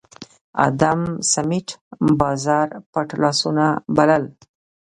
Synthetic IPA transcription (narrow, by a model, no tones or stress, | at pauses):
a̰d̪amsamɪʈbɑzɑɾpaʈlɑsunabaləl